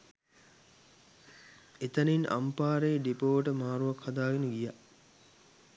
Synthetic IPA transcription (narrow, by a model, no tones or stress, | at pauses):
et̪əninʔa̰mpaːɾeːɖipoːʋəʈəmaːɾuʋakhad̪aːɡenəɡija